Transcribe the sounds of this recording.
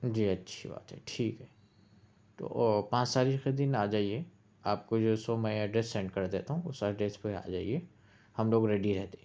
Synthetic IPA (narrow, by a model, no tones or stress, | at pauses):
d͡ʒiːɐtːʃʰḭba̰ːt̪ɦɛ̰ʈʰiːkɦɛː | t̪o̰ːpãːt͡ʃt̪aːɾiːxed̪ɪnaːd͡ʒaːie | aːp̚kod͡ʒoːsomɛ̃aɖɾesːɛ̃ːɳɖkɐɾd̪eːt̪aɦũʊsaɖɾespea̰ːd͡ʒa̰ːie | hɐmloːɡɾɛːɖiɾɛɦt̪eɦɛ̃